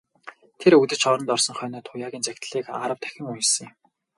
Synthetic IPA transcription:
t̪ʰeɾɵt̪ɘ̆t͡ɕχɔɾɞ̆nt̪ɔrsɞ̆ŋχœːnɔːt̪ʰʊjaːɣʲiːnt͡sækʲt̪ɮiːkaɾə̆wt̪ʰæ̥xʲɪ̆ŋujsɘ̆ŋ

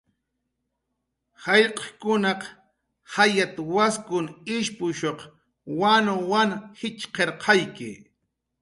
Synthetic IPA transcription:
hɑʎqɑ̥kʊnɑq | hajat̪awaskʊnɪʃpʊʃoq | wanowanhɪt͡ʃqeɾqʰɑjkɪ̰

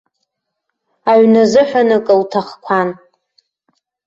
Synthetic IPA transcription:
aɥnazɨħʷᶣanɨkʼɨltʰaχkʷʰan

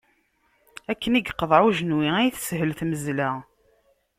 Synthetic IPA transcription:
ækːəniɡqːəðˤʕuʒənwiæjθsɦəlθməzlæ

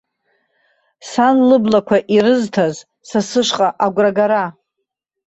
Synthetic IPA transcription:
sanlɨblakʷʰaʔiɾɨztʰaz | sasɨʂʷqʼaʔaɡʷraɡaɾa

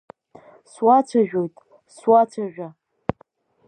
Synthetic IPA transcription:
swat͡sʷʰaʒᶣo̞jtʼ | swat͡sʷʰaʒᶣa

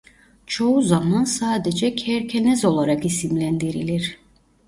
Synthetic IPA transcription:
t͡ʃʰo̞uzamansaːd̪ed͡ʒɛcʰɛɾcʰenɛzo̞lˠaɾakisimlʲænd̪iɾilʲiɾ̥

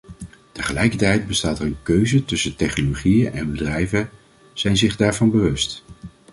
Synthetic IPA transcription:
təχəlɛjkəɹtɛjd̚bəstaːtərənkøɥzətɵsətɛχnoloχijəʔɛnbədrɛjvə | z̥ɛjnzɪχdaːɹvɑnbəʋɵst

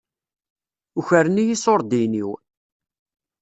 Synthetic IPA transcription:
uçəɾənijisˤoɾˤd̪iniw

